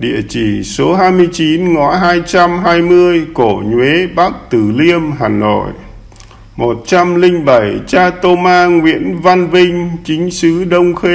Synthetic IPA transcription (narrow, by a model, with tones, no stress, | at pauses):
ɗḭ˧˨ət͡ɕi˧˩so˨˦ɦaː˧jmɨ˧əjt͡ɕi˨˦nŋɔ̰˧˥ɦaː˧jt͡ɕa˧mɦaː˧jmɨ˧əjko˧˩ɲwe˨˦ɓa˦˥k̚t̪ɨ˧˨˩li˧əmɦaː˨˩nːo̰˧˨j | mo˨˩t̚t͡ɕa˧mlï˧ŋɓa˧˩jt͡ɕaː˧t̪o˧maː˧ŋwḭ˧˥ənva˧nvï˧ŋ̟t͡ɕï˨˦ŋ̟sɨ˨˦ɗə˧wŋ͡mxe˧